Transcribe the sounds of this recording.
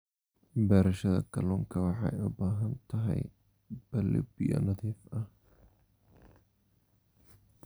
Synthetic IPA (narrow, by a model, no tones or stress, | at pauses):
bɛːɾɐʃɐðɐ̰kʰɐ̰lʊːŋkʰɐwɑħɑ̰jʊbaːɦɐnt̪ʰɐɦɛ̰j | b̥ɐlḭbɪjɐ̰nɐðiːfɐh